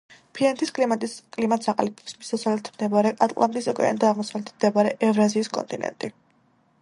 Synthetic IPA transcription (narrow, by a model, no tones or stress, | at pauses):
pʰiant̪ʰiskʼakʼlimat̪saqʼa̰lipʰɔ̥psmisasalɛt̪ʰmd̪ɛbaɾɛʔat̪ʼlˠand̪ʼisɔkʼɛ̰a̰nd̪aːʁmɔsavlɛt̪ʰmd̪ɛbaɾɛʔɛvɾaziːskʼɔ̰nt̪ʼinɛ̰nt̪ʼi